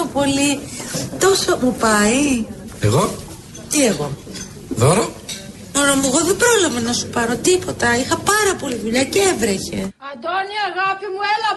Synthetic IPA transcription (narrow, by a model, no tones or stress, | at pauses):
opo̞lit̪o̞sɐmupɐi | ḛɣo | t̪ieɣo̞ | ðoɾo | moɾomueɣo̞ðebɾo̞lɐvɐnɐsu̥pɐɾo̞t̪ipo̞t̪ɐixɐpɐɾɐpo̞liðuʎɐceevɾeçe̞ɐd̪oniaɣɐpimuelɐ